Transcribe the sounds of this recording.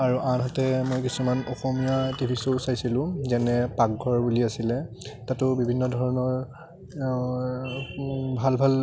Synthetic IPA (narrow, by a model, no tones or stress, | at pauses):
aɹuʔanɦatɛmojkisumanɔxɔmijatibʰʱisoʊsajsilʊ̃zɛnɛpak̚ɡʱɔɹbuliasilɛtatʊbibʱinːɔdʱɔɹɔnɔɹ | bʱalbʱal